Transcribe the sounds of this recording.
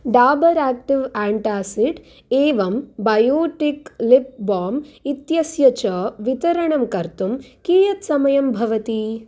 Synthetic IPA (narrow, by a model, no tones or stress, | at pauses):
ɖaːbɐɾaːk̚ʈiʋaːɳʈaːsiɖ | eːʋɐmbɐjoːʈiklip̚baːmit̪jɐsjɐt͡ʃɐʋit̪ɐɾɐɳɐmkɐɾt̪umkiːjɐt̪sɐmɐjɐmbʱɐʋɐt̪i